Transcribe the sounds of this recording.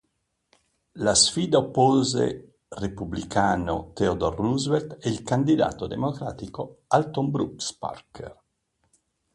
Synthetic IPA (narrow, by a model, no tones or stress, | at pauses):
lasfiːd̪aopːoːzḛ | republikʰaːno̰t̪eod̪orːuzveɾt̪eilkand̪id̪a̰ːt̪od̪emokɾa̰ːt̪ikoalt̪ombɾuspa̰rkḛr